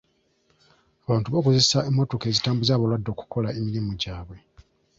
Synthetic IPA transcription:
aβaːntuβo̞ːkoze̞saemːotoke̞ːzitaːmbuzaːβalwadːo̞ku̥ko̞lae̞miɾimuɟaːβwe̞

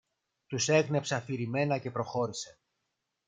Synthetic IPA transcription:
t̪use̞ɣne̞psɐfiɾime̞nɐce̞pɾo̞xo̞ɾise̞

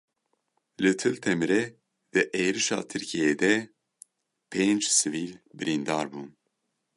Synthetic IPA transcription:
lɨt̪ʰɨlt̪ʰɛmɨɾɛ | d̪ɨʔeːɾɨʃɑ̰ːt̪ʰɨɾkʰijeːd̪ɛ | pʰeːnd͡ʒsɨviːlbɨɾind̪ɑːɾbuːn

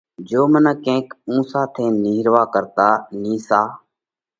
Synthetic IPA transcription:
d͡ʒoːmənəkẽːkũːsaːt̪ʰẽːniːɾʋaːkəɾt̪aːniːsaː

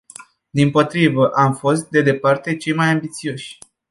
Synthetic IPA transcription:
d̪impo̞t̪ɾivəʔamfo̞st̪̚d̪e̞d̪e̞part̪e̞t͡ʃe̞jmajambit̪sio̞ʃʲ

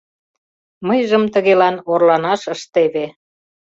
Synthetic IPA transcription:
məjʒə̆mt̪ə̆ɣelɑnorlɑnɑʃəʃt̪eβe

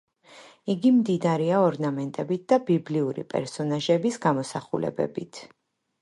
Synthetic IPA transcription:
iɡimd̪id̪aɾiaɔɾnamɛnt̪ʼɛbit̪̚d̪abibliuɾḭpʼɛ̰ɾsɔnaʒɛbisɡamɔsaχulɛ̰bɛ̰bit̪ʰ

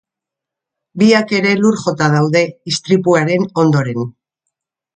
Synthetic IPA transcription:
biake̞ɾe̞luɾʝo̞t̪að̞awðe̞ist̪ɾipuaɾe̞no̞nd̪o̞ɾe̞n

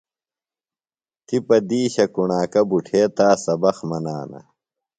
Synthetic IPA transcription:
t̪ipɐd̪iːɕɐkuɳaːkɐbuʈʰeːt̪aːsɐbɐxmɐnaːnɐ̰

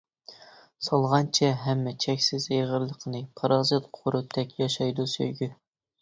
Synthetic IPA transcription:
sɑlˠʁɑnt͡ʃʰɛɦɛmːɛt͡ʃʰɛkʲsɪzeʁəɾlˠəqʰənɨpʰɑɾɑzɨt̪qʰoɾut̪ʰɛkʲjɑʃɑjd̪usø̰jɡʲy

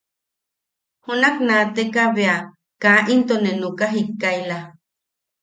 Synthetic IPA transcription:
hunaknaːt̪ekaβea | kaʔint̪onenukaɦikːajla

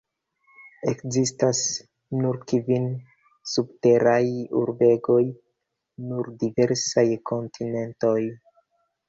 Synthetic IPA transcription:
e̞kzistas | nuɾkivin | subte̞ɾajṵɾbe̞ɡo̞j | nuɾdive̞ɾsajkʰo̞ntʰine̞nto̞j

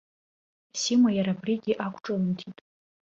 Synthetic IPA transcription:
simajaɾabriɡʲiʔakʷʰʈ͡ʂʼalntʰitʼ

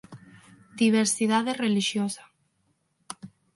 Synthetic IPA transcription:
d̪iβ̞eɾsiðaðereliʃjosḁ

